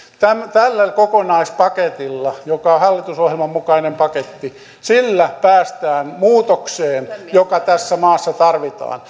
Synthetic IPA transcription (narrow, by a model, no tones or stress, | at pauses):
t̪æmt̪ælːælʲkokonɑispɑket̪ilːɑjokɑohɑlːit̪usohjelmɑmmukɑinempɑket̪ːi | silːæpæːst̪æːnmuːt̪okseːnjokɑt̪æsːæmɑːsːɑt̪ɑrʋit̪ɑ̰ːn